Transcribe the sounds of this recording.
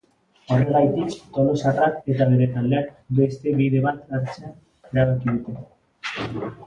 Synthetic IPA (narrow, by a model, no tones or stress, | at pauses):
o̞re̞ɣajt̪ikt̪o̞lo̞sarake̞t̪aβe̞ɾe̞t̪ald̪e̞akbe̞st̪e̞βiðe̞βat̪aɾt͡sen | eɾaβakiðut̪e̞n